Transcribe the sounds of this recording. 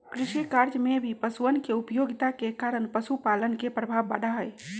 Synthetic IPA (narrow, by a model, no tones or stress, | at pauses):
kɾiʃikaɾd͡ʒmebʱipəsuənkeupəjoɡit̪akekaɾəɳpəsupalənkepɾəbʱaʋːaɖaɦəj